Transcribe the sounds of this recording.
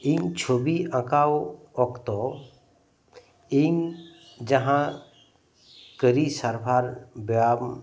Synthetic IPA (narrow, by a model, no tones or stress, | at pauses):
iŋt͡ʃʰobiʔə̃kawɔkt̪ɔ | iŋ | d͡ʒəɦã | kəɾisəɾpʰaɾbjam